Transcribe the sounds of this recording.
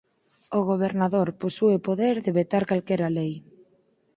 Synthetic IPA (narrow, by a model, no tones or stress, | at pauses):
oɣ̞oβ̞eɾnaðoɾposuepoðeɾðeβet̪aɾkalkɛɾalej